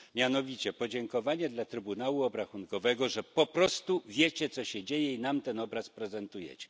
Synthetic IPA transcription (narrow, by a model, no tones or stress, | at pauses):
mʲjanɔvʲit͡ɕɛpɔd͡ʑɛŋkɔvaɲɛd̪lat̪ɾɘbunawuɔbɾaxunkɔvɛɡɔʐɛpɔpɾɔst̪uvʲjet͡ɕɛt̪sɔɕɛd͡ʑejɛinamt̪ɛnɔbɾaspɾɛzɛnt̪ujɛ̰t͡ɕɛ̥